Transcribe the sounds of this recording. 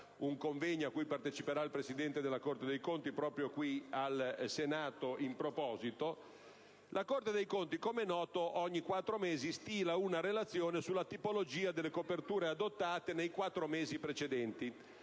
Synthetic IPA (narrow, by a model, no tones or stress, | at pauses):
uŋkoɱvɛɲːoakːujpart̪et͡ʃipeɾailpɾesid̪ɛnt̪ed̪elakort̪ed̪ejkont̪ipɾɔːpɾjokwialsenaːt̪oimpɾopɔːzit̪o | lʔakort̪ed̪ejkont̪ikomenɔːt̪oʔɔɲːikwat̪ːɾomeːzist̪iːlaunaɾelat̪sːjoːnesulːat̪ipolod͡ʒiːad̪elːekopert̪uːɾead̪ot̪ːaːt̪enejkwat̪ːɾomeːzipɾet͡ʃed̪ɛnt̪i